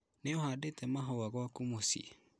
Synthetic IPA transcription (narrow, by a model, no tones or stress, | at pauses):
neɔɦadetʰɛmaɦɔwaɣwakumosḭe